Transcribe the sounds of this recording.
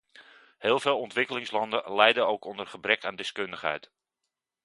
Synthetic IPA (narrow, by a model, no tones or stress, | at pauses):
hɪːlˠveːlˠɔntʋɪkəlɪŋslɑndəlɛjdəowkɔndərχəbrɛkaːndɪskɵndəχɦɛ̰jt